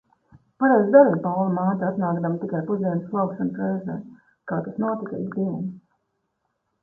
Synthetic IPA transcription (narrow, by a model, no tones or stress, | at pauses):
paɾejzd̪aɾimpawlˠamaːt̪aat̪naːɡd̪amt̪ikajpuziɛnslˠawkʃanp̪ɾɛjzɛː | kaːt̪asnuɔt̪ikɐ̰izd̪iɛn